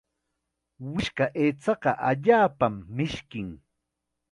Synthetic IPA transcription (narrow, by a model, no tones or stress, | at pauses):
wɪʃkaʔeːt͡sɑɢɑʔaʎaːpamːɪʃkɪŋ